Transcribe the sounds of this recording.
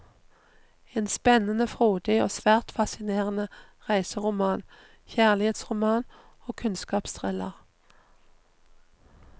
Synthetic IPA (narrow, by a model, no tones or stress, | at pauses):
eːnspɛnənəfʁoːd̪ɪo̰ːsʋæːʁt̪fɑsɪneːʁənə | ʁæɪsəʁʊmɑːn | çæːʁlɪheːt̪sʁʊmɑːn | oːkʰʉnskɑːpst̪ʰʁɛlə̰ʁ